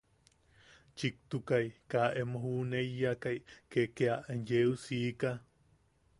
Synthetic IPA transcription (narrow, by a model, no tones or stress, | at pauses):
t͡ʃik̚t̪ukaikaʔemohunejːakaikekeaʔenjeusiːka